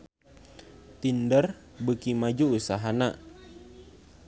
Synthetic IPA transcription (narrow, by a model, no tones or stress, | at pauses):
t̪indər | bəkimad͡ʒuusaɦana